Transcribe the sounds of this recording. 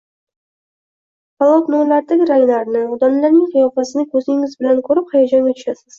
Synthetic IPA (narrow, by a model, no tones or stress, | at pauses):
palˠot̪nolaɾd̪aɡʲɪɾajonaɾnɪʊd̪ɒnlaɾnɪŋqʰɨjɒfasɪnɪkʲʰɵzɪŋɪzbɪlankʲʰɵɾɪphajɒd͡ʒanɡʲat̪ʰʊ̥ʃasɪz̥